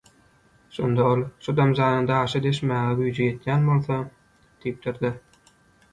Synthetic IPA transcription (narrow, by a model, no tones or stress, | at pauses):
ʃo̞̰nd̪ɑolˠʃud̪ɑmd͡ʒɑːj̪ɯnd̪ɑːʃɑd̪e̞ʃmæːɣeɡyjd͡ʒeje̞t̪jæːnbo̞lˠθo | d̪̥ijip̚d̪iɾd̪e